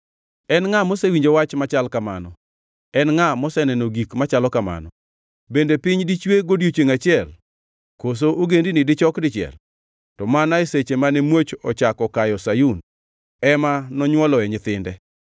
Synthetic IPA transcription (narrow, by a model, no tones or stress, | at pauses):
ɛnŋamosewiɲd͡ʒowat͡ʃmat͡ʃalkamanɔ | ɛnŋamɔsɛnɛnoɡikmat͡ʃalɔkama̰nɔ̰ | bendepɪɲdit͡ʃweɡodjot͡ʃeŋat͡ʃɪɛl | kos̬oʔoɡendinɪdɪt͡ʃɔkdɪt͡ʃɪɛ̰l | tɔmanaeset͡ʃemanɛmwot͡ʃɔ̰t͡ʃakɔkajɔsajun | ɛmanɔɲwɔlɔɛɲɪt̪ɪndɛ